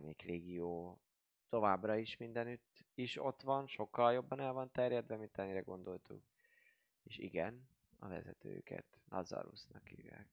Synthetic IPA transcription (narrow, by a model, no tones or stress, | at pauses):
neːkreːɡijoː | t̪o̞vaːbrɒiʃmind̪ɛnyt̪ːiʃo̞t̪ʋɒnʃo̞kːɒljo̞bːɒnɛlvɒnt̪ɛrjɛd̪ʋvɛmint̪ɛnːiɾɛɡo̞nd̪o̞lt̪uk | eːʃḭɡɛn | ɒvɛ̰zɛt̪øːkɛ̰t̪nʔɒd̪zɒ̰ɾṵsnɒkiːvɛ̰k